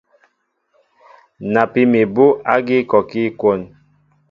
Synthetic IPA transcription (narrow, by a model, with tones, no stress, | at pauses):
na˨pi˦mi˨bo˦a̰˦ɡi˦kɔ˨ki˦ko˦˨n